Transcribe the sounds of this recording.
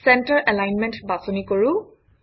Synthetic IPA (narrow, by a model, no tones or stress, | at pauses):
sɛntəɹʔɛlajnmɛntbasɔnikoɹʊ̃